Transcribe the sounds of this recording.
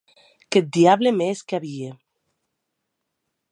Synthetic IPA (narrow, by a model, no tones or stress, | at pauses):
ket̪̚d̪iaβlemeskeaβie